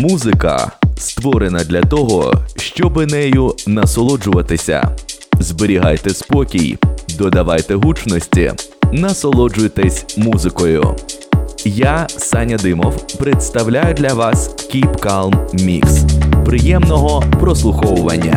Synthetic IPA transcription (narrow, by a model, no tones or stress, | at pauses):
muzɪkɐ̰st̪ʋɔɾenɐd̪lʲɐt̪ɔɦɔ̰ʃt͡ʃɔbɪnɛjʊnɐsɔlˠɔd͡ʒʊʋɐt̪ɪsʲɐ̰zbeɾʲiɦajt̪ɛspɔkʲijd̪ɔd̪ɐʋajt̪ɛɦut͡ʃnɔsʲtʲḭnɐsɔlˠɔd͡ʒʊjt̪ɛsʲmuzɪkɔjʊ̰ | jasɑnʲɐd̪ɪmɔwpɾet̪st̪ɐwlʲajʊd̪lʲɐʋɑskʲipkalˠmmʲḭkspɾɪjɛmnɔɦɔpɾɔslˠʊxɔwʊʋɐnʲːɐ̰